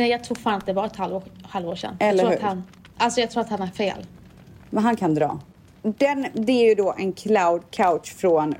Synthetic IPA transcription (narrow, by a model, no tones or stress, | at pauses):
nɛjɑɡt̪ʰɾuːɡfaːnat̪̚d̪ɛvɑːɾɛt̪halvoːhalvoːʂɛ̰nːaɛlːɾəɾuɾhʉ̰ːhan | ʔalsɔjɑɡt̪ɾuːɾat̪hanæɾfḛːl | vanɦankʰand̪ɾɑ̰ː | d̪ɛnd̪ɛæɾjɵd̪ɔːʔɛnkʰlawd̪kʰawt̪ʂfɾɔn